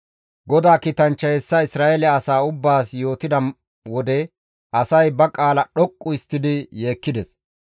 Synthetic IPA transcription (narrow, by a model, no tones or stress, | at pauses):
ɡɔd̪aːkiːt̪ɐnt͡ʃːɐɛsːɐɪsɾaːʔɛlɛɐsaːʊbːaːsjo̞ːt̪ɪd̪ɐ | wɔd̪ɛ | ʔɐsɐjbɐkʼaːlɐɗɔkʼːʊɪst̪ːɪd̪ɪje̞ːkːɪd̪ɛs